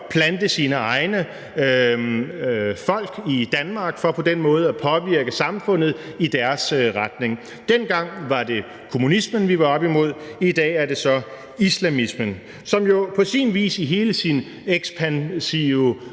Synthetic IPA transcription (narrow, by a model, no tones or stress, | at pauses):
pʰlænd̥əsiːnəɑ̈ɪnə | fɒ̽l̰ɡ̥id̥ænmɑ̈ːɡ̥fɒ̽pʰɒ̽d̥enmɔ̽ːð̞̩ˠæpʰɒ̽ʋiɐɡ̥əsɑ̈mfɔ̽n̰ð̩ˠid̥æɐsʁad̥ne̝ŋ | d̥enɡ̥ɑ̈ŋ̰ʋɑ̈d̥e̝ | kʰo̝munismənʋiʋɑ̈ɒ̽b̥imo̝ð̰ˠid̥ɛ̰ːæɐd̥e̝sɒ̽ | islæmismən | sɒ̽mjo̝pʰɒ̽sinʋḭːsiɦe̝ːləsin | eɡ̥sb̥ʰænsi